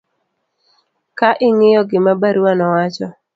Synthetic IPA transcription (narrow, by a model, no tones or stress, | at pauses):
kaʔɪŋɪjɔɡɪmabaɾuwanɔwat͡ʃɔ